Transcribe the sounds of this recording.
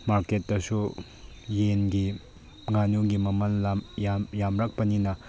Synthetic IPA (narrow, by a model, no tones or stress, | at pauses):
maɾket̚ːdɐsu | jenɡi | ŋanuɡimɐmɐnlamjamjamɾɐk̚pɐninɐ